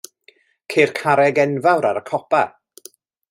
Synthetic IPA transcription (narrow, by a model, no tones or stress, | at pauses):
kʰeːrkʰaɾɛɡɛnvawɾaɾəkʰɔpa